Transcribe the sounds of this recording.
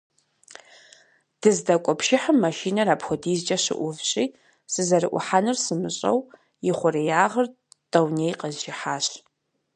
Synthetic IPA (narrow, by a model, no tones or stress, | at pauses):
d̥ɨzdɐkʷʼɔpʃɪħəmːɐʃiːnɐraːpxʷɔdiːzd͡ʒʼɐɕɪ̰ʔʷʊvɕʼiː | sɨzɐrɨʔʷʊ̰ħanɨrsɨmɨɕʼɐ̰w | jɪχʷʊɾijaːʁɐr | tʼɐwnejqəzʒɪħaːɕ